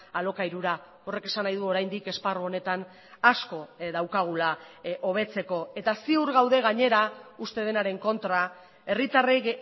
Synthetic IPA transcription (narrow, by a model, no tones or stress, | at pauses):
alo̞kaiɾuɾa | o̞re̞ke̞sanajðuo̞ɾajnd̪ike̞sparuo̞ne̞t̪an | asko̞ðawkaɣ̞ulaʔo̞β̞e̞t͡se̞ko̞e̞t̪asiuɾɣawðe̞ɣaɲe̞ɾaust̪e̞ðenaɾe̞ŋko̞nt̪ɾa | e̞rit̪are